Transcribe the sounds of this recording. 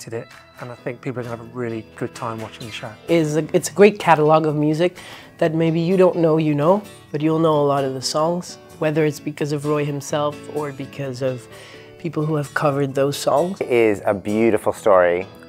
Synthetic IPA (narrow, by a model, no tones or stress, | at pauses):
tɨɾɪt̚ | ə̃naɪθɪ̃ŋk̚pʰipl̩ˠəɡə̃n̩əvəɹɪlˠiɡ̥ʊd̚tʰãɪ̃mwɑt͡ʃɪ̃ŋðɨʃaʊɪzɨɨtsəɡɹeɪt̚kʰæɾəlɔɡʌvmjʉzɨk̚ðɨt̚meɪbijɨɾõʊ̃nːoʊjɨnoʊ | b̥ʌt͡ʃul̩ˠnoʊəlɔɾʌvðɨsɔ̃ŋz̥ | wɛðə˞ɨtsb̥ɨkʰʌzʌvɹɔɪhɨ̃msɛlˠfə˞bɨkʰʌzʌv̥ | pʰipl̩ˠɦuɨv̥kʰʌvə˞d̪̚ðoʊz̥sɔ̃ŋz̥ɪzə̰bjʉɾɨfl̩ˠstɔɹi